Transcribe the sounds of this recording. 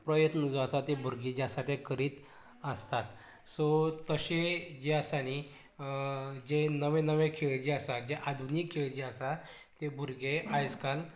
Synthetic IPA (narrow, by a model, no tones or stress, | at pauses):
pɾəjət̪nəd͡zasat̪ebʱuɾɡed͡ʑasaʈ̪ʰẽkəɾiːt̪ | əst̪at̪ | sɔt̪əɕed͡ʑeasañi | d͡ʑenəʋẽnəʋẽkʰeɭd͡ʑeasad͡ʑeʔad̪ʱunikʰːeɭd͡ʑeasa | t̪ebʱuɾɡeajskal